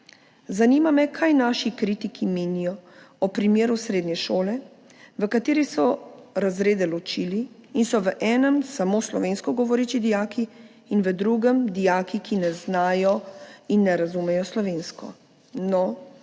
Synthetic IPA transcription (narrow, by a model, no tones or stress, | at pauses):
zanimamɛkʰajnaːʃikɾiːt̪ikʰimeːnijɔɔpɾimjeːɾusɾeːd̪nɲɛʃoːlɛ | ʋəkat̪eːɾisɔɾazɾeːd̪ɛlɔt͡ʃiːliːnsɔʋəʔɛːnəmsamoːslɔʋeːnskɔɡɔʋɔɾiːt͡ʃid̪ijaːkiː | nʋəd̪ɾuɡəmd̪ijaːkikinɛznaːjɔinːɛɾazumɛjɔslɔʋeːnskɔ̰ | nɔ